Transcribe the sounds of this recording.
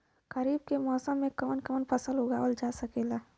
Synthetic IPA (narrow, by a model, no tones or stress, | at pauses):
ɡ̥əɾiːb̚kemɔːsəmːẽkɐmənkəmənpʰəsəlʊɡaːwəld͡ʒaːsəkeːlaː